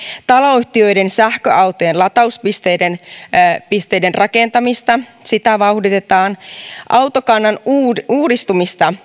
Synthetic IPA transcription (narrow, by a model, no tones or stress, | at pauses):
t̪ɑloːyht̪iø̞jde̞nsæhkøʔɑwt̪o̞jenlɑt̪ɑuspist̪ejden | pist̪e̞jde̞nrʔɑke̞nt̪ɑmist̪ɑsit̪æʋɑuhdit̪e̞t̪ɑːnʔɑwt̪o̞kɑnːɑnːuːɾist̪umist̪ɑ